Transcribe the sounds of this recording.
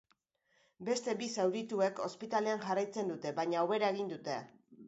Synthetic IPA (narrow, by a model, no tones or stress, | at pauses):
be̞st̪e̞bisawɾit̪ue̞ko̞spit̪ale̞aŋʝarajt͡se̞nd̪ut̪e̞βaɲaːwβe̞ɾae̞ɣind̪ut̪e̞a